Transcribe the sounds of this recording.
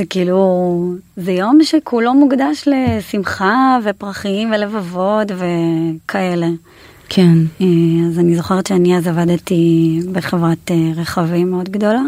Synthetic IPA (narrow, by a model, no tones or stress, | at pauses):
zekiiːlu | zejo̞mʃekʰulo̞muɡdaʃle̞simχavepʁaχiimvelevavo̞tve̞kʰae̞le̞ | kʰeneazanizo̞χeʁetʃeaniazavad̪t̪ibeχevʁateʁeχavimeo̞d̪ɡd̪o̞la